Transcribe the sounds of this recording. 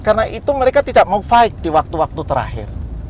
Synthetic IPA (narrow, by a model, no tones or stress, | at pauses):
karnaʔit̪uməɾekat̪idaʔmaufaɪk̚diwak̚t̪uwak̚t̪ut̪əɾa̰ɦɪ̰r